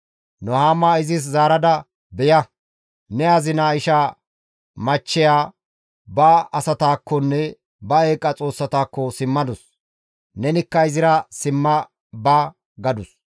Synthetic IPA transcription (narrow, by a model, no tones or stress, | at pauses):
nɔhaːmːaːɪzɪs̬zaːɾɐd̪ɐ | bɛjɐ | nɛɐzɪnaɪʃa | mɐt͡ʃːɛjaː | bɐɐsɐt̪aːkːɔnːɛ | bɐeːkʼːɐt͡sʼo̞ːsːɐt̪aːkːɔsɪmːɐd̪ʊs | nɛnɪkːɐɪzɪɾɐsɪmːɐ | bɐ | ɡɐd̪ʊs